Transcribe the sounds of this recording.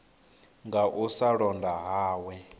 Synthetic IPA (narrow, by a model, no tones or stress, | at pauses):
ŋɡaʔusaɺɔndʱaɦaːwɛ